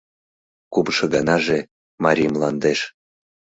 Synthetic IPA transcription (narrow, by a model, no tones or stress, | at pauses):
kubʃɤɣɑnɑʒe | mɑɾʲijmlˠɑnd̪eʃ